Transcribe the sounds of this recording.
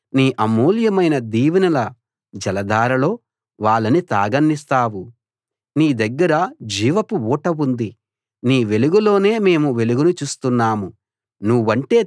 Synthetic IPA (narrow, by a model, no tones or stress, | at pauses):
niːʔɐmoːljɐmɐjnɐd̪iːʋinɐlɐ | d͡ʒɐlɐd̪ʱaːɾɐlo̞ː | ʋaːɭːɐnit̪aːɡɐnːist̪aːwu | niːd̪ɐɡːɐɾɐd͡ʒiːʋɐpuuːʈɐwund̪i | niːʋe̞luɡulo̞ːne̞ːme̞ːmuʋe̞luɡunut͡ʃuːst̪unːaːmu | nuʋːɐɳʈe̞ː